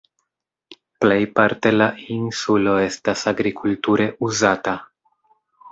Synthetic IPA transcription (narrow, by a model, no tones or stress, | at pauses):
ple̞jpaɾte̞lainsulo̞e̞stasaɡɾikʰultuɾe̞ʔuzata